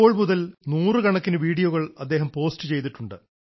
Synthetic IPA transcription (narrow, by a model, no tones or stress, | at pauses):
oːɭmuðɐlnuːrɨkɐɳɐkːinɨʋiːɽijoɣɐɭɐd̪ːe̞ːɦɐmpo̞ːstɨt͡ɕe̞jt̪̬iʈːuɳɖɨ